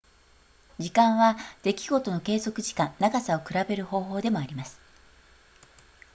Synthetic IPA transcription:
d͡ʑikãɰ̃βad̪̥e̞kʲiɡo̞t̪o̞no̞ke̞ːzo̞kɯ̟ʑi̥kãnnaɡasao̞kɯ̟ɾabe̞ɾɯ̟ho̞ːɦo̞ːd̪e̞mo̞aɾʲimasɨ̥

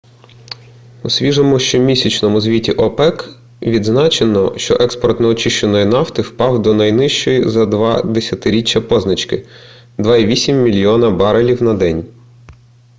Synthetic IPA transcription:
usʲʋʲiʒɔmʊʃt͡ʃɔmʲisʲɐt͡ʃnɔmʊzʲʋʲitʲiʔɔpɛk | ʋʲid̪znɑt͡ʃenɔʃt͡ʃɔ̰ʔɛkspɔrt̪nɛɔt͡ʃɪʃt͡ʃenɔjinɑft̪ɪwpɑwd̪ɔnɐjnɪʃt͡ʃɔjizɐd̪ʋɑd̪esʲɐt̪ɪɾʲit͡ʃːɐpɔznɐt͡ʃkɪ | d̪ʋɑiʋʲisʲimːʲilʲijɔnɐbɑɾɐlʲiwnɐd̪ɛnʲ

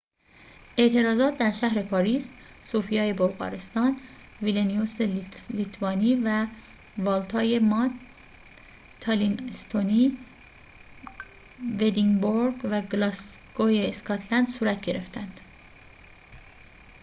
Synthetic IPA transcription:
ʔe̞ʔt̪ʰe̞ɾɒːzɒːt̪̚ʰd̪æɾʃæɦɾe̞pʰɒːɾiːs | soːfijɒːje̞bolɣɒ̰ːɾe̞st̪ɒːn | vilenijoselit̪ʰvɒːniːvæ | vɒːlt̪ʰɒːje̞mɑ | t̪ʰːɑlinest̪ʰoniː | ved̪iŋboɾɡvæɡlɑsɡ̥ojeːskʰɒt̪ʰlænd̪suːɾæt̪ʰɟe̞ɾe̞ft̪ænd̪̥

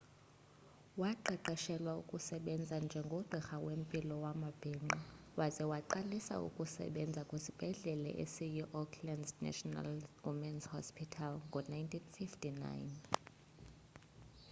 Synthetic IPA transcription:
waǃɛǃɛʃɛlwaṵkʼusɛɓɛnd͡zʱand͡ʒʱɛŋɡʱɔɡ͡ǃʱɛxawempʼilɔwamab̥ʱɛŋ͡ǃɔwazɛwaǃalisa̰ṵkʼusɛ̰ɓɛnd͡zʱakʼwesib̥ʱɛɮɛlɛ̰ʔḛsijuʔɔkʰlandznɛ̰ʃɔna̰lwimɛnshɔ̰spʰitʰalŋɡʱɔnajntʰinfiftʰʼina̰jn

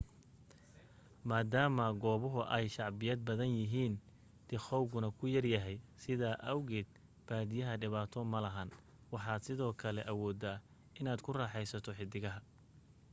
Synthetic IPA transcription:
maːd̪aːmɐɡɔːβʊɦʊʔɛjʃɑʕbɪjɐd̪̚bɐðɐnjɪɦiːn | d̪̥ɪχɔwɡʊnɐkʰʊjɐrjɐɦɛjsɪðaːʔɐwɣɛːd̪̚ | b̥aːd̪ɪjɐɦɐɖɪβaːt̪ʰɔmɐlɐɦɐn | wɑħɑːd̪sɪðɔːkʰɐlɛʔɐwɔːd̪aː | ɪnaːd̪kʰʊraːħɛjsɐt̪ʰɔħɪd̪ɪɣɐɦɐ

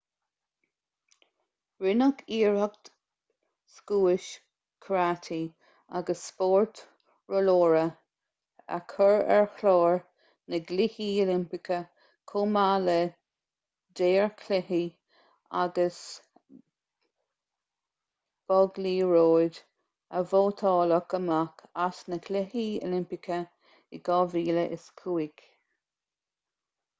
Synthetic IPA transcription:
ɹɪnəkʰiːɹəɡ̚t | skuːɪʃ | kʰɹat̪ʰi | a̰ɡəsːpoːɹt | ɹɔloːɹə | a̰kʰəɹɛ̰ɹxloːɹ | nəɡlihiolɪmpɪkə | kʰomalə | d̪eːɹkʰlɛhi | a̰ɡəs | b̥ɔɡliːɹoːd | əvoːt̪ʰɑːləkəmakʰasnəkʰlɪhiːo̰lɪmpɪkʰə | ɪɡ̥ɑːviːləʔɪ̰skʰuːɪɡ

